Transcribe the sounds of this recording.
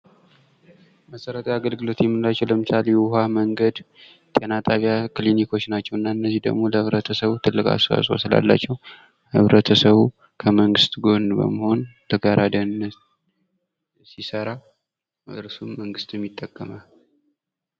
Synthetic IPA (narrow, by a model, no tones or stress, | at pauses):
məsəɾət̪ʰaaɡəlɡɨlo̞t̪jɛmːɨnlat͡ʃːɛwləmɨt͡ʃaljɛwɦaməŋɡəd̪ | t̪ʼenat̪ʼaβjakɨlinikʰo̞t͡ʃːnat͡ʃːɛwɨnːaɨnːəzid̪ə̰ɡmo̞ləhɨβɾət̪ʰəsəβut̪ʰɨlːɨkʼa̰sa̰sʼosɨla̰lːa̰t͡ʃːɛw | hɨβɾət̪ʰəsəβu | kʰəməŋɡɨst̪ɡo̞nbə̰məho̞nt̪ʰəɡaɾʔad̪əɨnːə | sisəɾa | ɾsumːəŋɡɨst̪jɛmːit̪ʼːəkʼːəmal